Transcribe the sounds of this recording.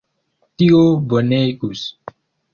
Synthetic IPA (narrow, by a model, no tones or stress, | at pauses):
t̪iɡobənejkus